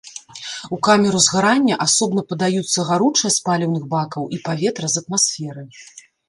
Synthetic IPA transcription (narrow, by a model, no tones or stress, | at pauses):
ukamʲɛɾuzɣaɾanʲːɐʔasɔbnɐpɐd̪ajut̪sːɐɣaɾut͡ʂɐsʲpalʲɛwnɨɣbakɐwʔipavʲɛt̪ɾɐzɐt̪masfʲɛɾɨ